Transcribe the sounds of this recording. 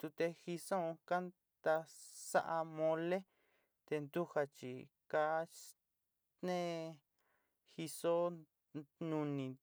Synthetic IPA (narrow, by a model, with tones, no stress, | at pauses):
t̪u˧t̪e˧xi˧sõ˦˧ka˦n | t̪a˧sa̰˦ʔa˧mõ˧le˦ | t̪e˧nd̪u˦ha˧t͡ʃḭ˧ | ka˦ | nẽ˦ | xi˧so˦ | nũ˧nĩ˧